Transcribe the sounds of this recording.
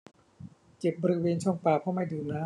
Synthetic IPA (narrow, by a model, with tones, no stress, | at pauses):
t͡ɕe˨˩p̚bɔː˧ɾi˥weː˧nt͡ɕʰɔ˥˩ŋpaː˨˩pʰɔ˦˥ma˥˩jduː˧naː˦˥˩